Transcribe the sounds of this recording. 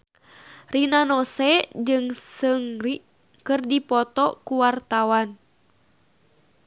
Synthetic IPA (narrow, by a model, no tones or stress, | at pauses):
rinanɔsɛd͡ʒɨŋsɨŋriʔ | kɨrdipɔt̪ɔkuwart̪awan